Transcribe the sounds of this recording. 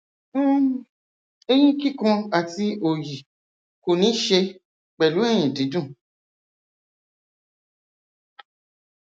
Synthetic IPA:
e˦j̃ĩ˦ki˦˨kɔ̃˧a˧˨ti˧o˨ji˨ | ko˨nĩ˨˦ʃe˧ | k͡pɛ˨lu˨˦e˦˨j̃ĩ˨di˨˦dũ˦˨

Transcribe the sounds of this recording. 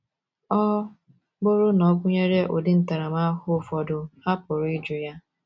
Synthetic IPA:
ɔ˦ | ɡ͡bʊ˦ɾʊ˦nɔ˨˦kʷʊ˦ɲe˦ɾe˦ʔo˨dɪ˦n̩˦ta˨ɾa˨m˦a˦ɦʊ˦fɔ˨dʊ˨ha˦pʊ˨ɾʊ˨˦ɪ˦d͡ʒʊ˨ja˦

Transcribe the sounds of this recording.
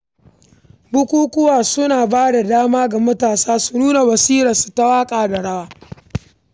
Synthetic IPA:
bʊ˦kʷuː˦kʷʊ˦waː˨sʊ˦naː˨baː˦da˨daː˦maː˦ɡa˨mɐ˦taː˨saː˦su˨nuː˦na˨wɐ˨siː˦ɾɐ˨su̥˨ta˦waː˦kʼaː˨da˨ɽɐ˦waː˦

